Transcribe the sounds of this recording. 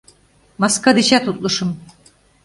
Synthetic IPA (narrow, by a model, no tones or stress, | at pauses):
mɑskad̪it͡ʃæt̪ʰut̪lˠuʃum